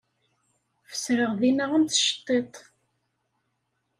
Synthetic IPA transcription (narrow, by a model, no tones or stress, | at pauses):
fə̥sɾəʁðinəʁənt̪ʃə̥t̪ˤːet̪ˤ